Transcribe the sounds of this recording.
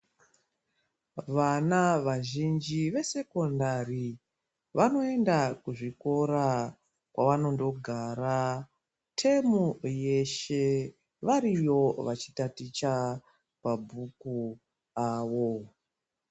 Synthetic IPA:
ʋanaʋaʒind͡ʒiʋe̞se̞ko̞ndari | ʋano̞e̞ndakuʐiko̞ɾa | kwaʋano̞ndo̞ɡʱaːɾa | tʰe̞muje̞ʃe̞ | ʋaɾijo̞ʋat͡ʃi̥tatit͡ʃa | pabʱuku | aːʋo̞

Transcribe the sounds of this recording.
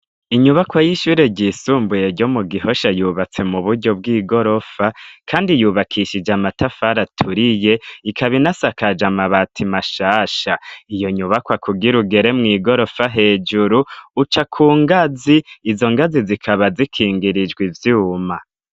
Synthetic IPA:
iɲuβakwajiʃuːɾeɟisuːmbujeɾɟo̞muɡiho̞ʃajuːβat͡se̞muβuɾɟo̞b̚ɡiːɡo̞ɾo̞fakʰaːndijuːβakʰiʃid͡ʒamatafaɾatʰuɾije̞ikʰaβinasakad͡ʒamaβatʰimaʃaːʃaijo̞ɲuβakwakʰuɡiɾuɡe̞ɾe̞mŋiːɡo̞ɾo̞faɦe̞ːd͡ʒuɾuːt͡ʃakʰuːŋɡaziːzo̞ŋɡazizikʰaβazikʰiːŋɡiɾid͡ʒɡwivjuːma

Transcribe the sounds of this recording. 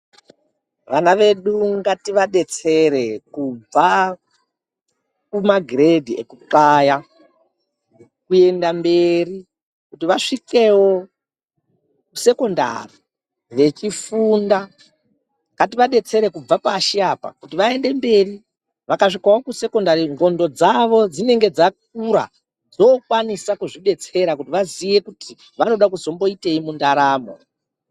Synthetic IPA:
ʋanaʋe̞ɗuŋɡatiʋaɗe̞t͡se̞ɾekub͡va | kumaɡʱiredʱiḛkuǃaja | kue̞ndambe̞ri | kutiʋaʂike̞wo̞ | kuse̞ko̞nda̰ri | ʋe̞t͡ʃifunda | katiʋaɗe̞t͡se̞ɾe̞kub͡vapaʃiaːpa̰kutiʋae̞nde̞mbe̞ri | ʋakaʂikawo̞kuseko̞ndaɾiŋɡo̞ndo̞d͡zaʋo̞d͡zine̞ŋɡe̞d͡zak̚uɾa̰ | d͡zokwanisakuʐiɗe̞t͡se̞ɾak̬utiʋaziʋe̞kuti | ʋano̞ɗakuzo̞mbo̞iteimundaɾaːmo̞̰

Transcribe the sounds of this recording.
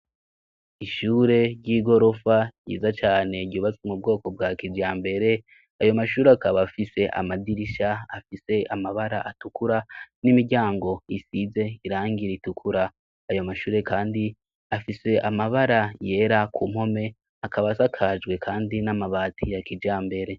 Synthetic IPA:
iʃuːɾe̞ɾjiːɡo̞ɾo̞faɟḭːzat͡ʃaːne̞ɟɟuːβat͡swemub̚ɡo̞ːko̞bɡakid͡ʒjaːmbe̞ɾe̞ | ajo̞maʃuːɾeakaβafise̞ʔa̰madiɾiʃaafise̞amaβaɾa̰ʔatukuɾanimiɡɟaːŋɡo̞isize̞iɾaːŋɡiɾitukʰuɾaː | jo̞maʃuːɾe̞kaːndi | afise̞ʔamaβaɾaje̞ɾakumho̞me̞ | akaβasakʰad͡ʒɡwe̞kʰaːndinamaβaːtʰijakid͡ʒjaːmbe̞ɾe̞

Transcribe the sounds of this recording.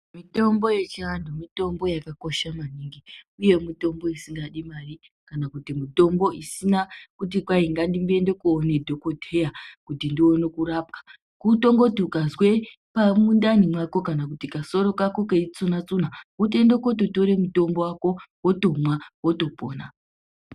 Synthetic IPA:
mito̞mbo̞je̞t͡ʃiandomito̞mbo̞jakako̞ʃamaniːŋɡiuje̞mito̞mbo̞isiŋɡaɗimari | kanakutimito̞mbo̞ʔisinakut̬ikwaiŋɡandimbe̞nde̞kuone̞dʱokodʱejakutindionekurap̚kḁ | kuto̞ŋɡo̞tukazwe̞ | pamundanimwako̞kanakutikaso̞ɾo̞kakokeit͡sunat͡sunautendokot̬oto̞ɾe̞muto̞mbo̞wako̞woto̞mwawotopo̰ːna

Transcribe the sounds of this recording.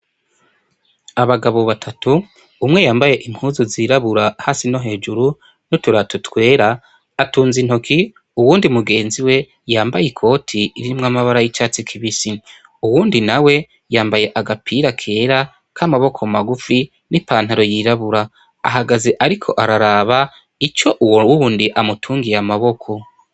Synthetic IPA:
aβaɡaβo̞βatʰatuː | mŋe̞jaːmbaje̞ʔiŋ̥huːzuziːɾaβuɾahasino̞ɦe̞ːd͡ʒuɾu | nutuɾatutwe̞ːɾaː | tuːnzin̥okʰi | uwuːndimuɡe̞ːnziwe̞ | jaːmbajikʰo̞ːtʰiɾiimŋamaβaɾajit͡ʃaːt͡sikʰiβisi | uwuːndinawe̞ | jaːmbaje̞ʔaɡapʰiːɾakʰe̞ːɾa | kʰamaβo̞kʰo̞maɡufi | nipaːn̥haɾo̞jiːɾaβuɾa | a̰ɦaɡazeʔaɾikʰo̞̰ʔaɾaɾaːβa | it͡ʃo̞ʔuwuwuːndiʔamutʰuːŋɡijamaβo̞kʰo̞

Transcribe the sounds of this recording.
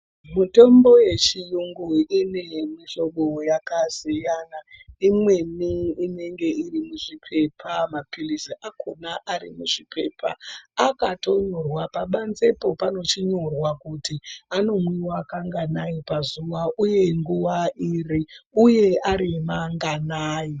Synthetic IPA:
muto̞mbo̞je̞t͡ʃijuŋɡuine̞miʃo̞ɓojakasijanaimwe̞niine̞ŋɡe̞irimuʐipʰe̞pʰamapiliziʔako̞naʔaɾḭmuʐipeːpʰa̰akato̞ɲo̞rwapaɓanze̞po̞pano̞t͡ʃiɲo̞rwakutiano̞mwiwakaŋɡanajipazuʋaʔuje̞ŋɡuʋaʔiriuje̞aɾimaŋɡanaːji

